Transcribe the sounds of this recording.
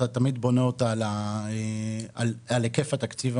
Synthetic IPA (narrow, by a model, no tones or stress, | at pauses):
at̪amid̪bo̞neot̪alaealalekefat̪akt͡siv